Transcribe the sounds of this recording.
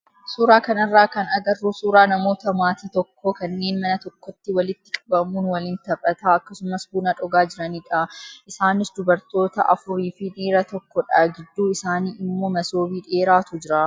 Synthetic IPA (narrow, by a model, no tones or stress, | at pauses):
suːɾaːkɐnɐrːaːkɐnɐɡɐrːuːsuːɾaːnɐmo̞ːt̪ɐmaːt̪iːt̪ɔkʰːɔkɐnːe̞ːnmɐnɐt̪ɔkːɔt̪ːɪwɐlɪt̪ːɪkʼɐbɐmuːnwɐlɪnt̪ɐpʼɐt̪aːɐkːɐsʊmɐsbuːnɐᶑɔɡaːd͡ʒɪɾɐniːᶑɐʔɪsaːnɪsd̪ʊbɐɾt̪o̞ːt̪ɐ̰ʔɐ̰fʊɾiːfiniːɾɐt̪ɔkːɔᶑaːɡɪd̪ːuːɪsaːniːʔɪmːoːmɐso̞ːbiːᶑe̞ːɾaːt̪ʊd͡ʒɪɾaː